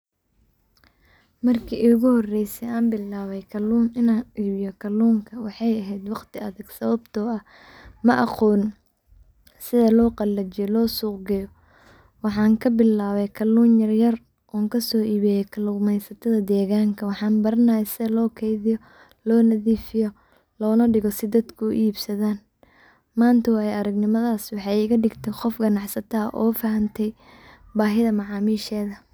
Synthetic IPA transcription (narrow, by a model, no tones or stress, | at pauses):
mɐrkʰiːʔʊɣʊhɔrɛjsɛaːmbɪlaːβɛjkʰɐluːnɪnaːnʔiːβɪjɔkʰɐluːŋkʰɐwɑħɑjɐɦɛjd̪wɑqt̪ʰɪɐðɐɡsɐβɐbt̪ʰɔːɐh | mɐʔɑqɔːn | sɪðɐlɔːqɑlːɐt͡ʃɪjɔlɔːsuːqɡɐjɔ | wɑħɑːŋkʰɐbɪlːaːβɛjkʰɐluːnjɐrjɐr | ʔɔːŋkʰɐsɔːʔiːβɛjɛkʰɐlʊmɛjsɐt̪ʰɐðɐd̪ɛːɣaːŋkʰɐwɑħɑːnbɐɾɐnɐjɛsɪðɐlɔːkʰɛjðɪjɔ | lɔːnɐðiːfɪjɔ | lɔːnɐɖɪɣɔsɪd̪ɐd̪kʰʊʊ̰ʔiːbsɐðaːn | maːnt̪ʰɐwɑːjɛɐɾɐɡnɪmɐðaːswɑħɑɪɣɐɖɪɡt̪ʰɛqɔfɡɐnɑħsɐt̪ʰɐʔɔ̰ːfɐɦɐnt̪ʰɛj | baːɦɪðɐmɑʕɑːmiːʃɛːðɐ